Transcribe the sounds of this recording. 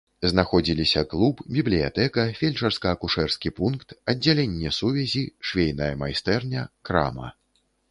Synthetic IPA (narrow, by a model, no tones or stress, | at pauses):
znaxɔd͡zʲilʲisʲɐklˠupbʲiblʲija̰t̪ɛkɐfʲelʲt͡ʂɐrskɐːkuʂɛrskʲipunkt̪ɐdd͡zʲːalʲenʲːɛsuvʲɛzʲiʂvʲejnɐjɐmajst̪ɛrnʲɐkɾa̰mɐ̰